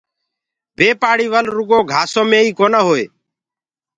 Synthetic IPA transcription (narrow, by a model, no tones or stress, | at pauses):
ʋeːpaːɽiːʋəlɾʊɠoːɡʱaːsõːmẽːiːkoːnaːɦoːeː